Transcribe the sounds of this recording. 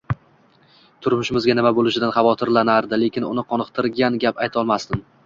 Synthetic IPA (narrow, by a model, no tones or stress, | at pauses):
t̪ʰʊɾmʊʃɪmɪzɡʲanɪmabolˠɪʃɪd̪anχɑvɒt̪ʰɪɾlanaɾd̪ɪle̞kʲɪnʊ̰nɪqʰɒnɨqt̪ʰɪɾɡʲanɡʲapajt̪ʰɒlˠmast̪ɪn